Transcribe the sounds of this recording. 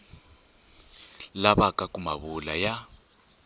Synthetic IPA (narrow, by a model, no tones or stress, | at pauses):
laβakakumaβulaja